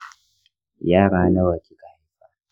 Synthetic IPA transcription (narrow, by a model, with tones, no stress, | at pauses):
jaː˦ɽaː˨na˦wa˨kʲi˦ka˨ha˦ɸa˨